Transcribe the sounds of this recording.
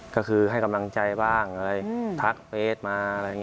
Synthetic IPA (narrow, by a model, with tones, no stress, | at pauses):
kɔː˥˩kʰɯː˧ha˥˩jka˧mla˧ŋt͡ɕa˧jbaː˥˩ŋʔa˧ɾa˧˩jt̪ʰa˦˥k̚feː˧˥˩t̪̚maː˧ɾa˧jŋ˧˥